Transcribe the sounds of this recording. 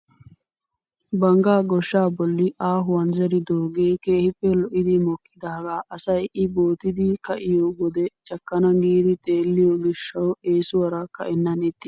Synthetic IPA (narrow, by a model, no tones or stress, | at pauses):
bɐŋɡaːɡɔʃːaːbɔlːɪʔaːɦʊɐnzɐɾɪd̪oːɡeːke̞ːhɪpːɛlɔʔɪd̪ɪmɔkʰːɪ̥d̪aːɡaːʔɐsɐjʔɪbo̞ːt̪ɪd̪ɪkɐʔɪjobɔd̪ɛt͡ʃʼɐkːɐnɐɡiːd̪ɪt̪ʼe̞ːlːɪjɔɡɪʃːɐweːsʊwɐɾɐkɐʔɛnːɐnɛt̪ːɪ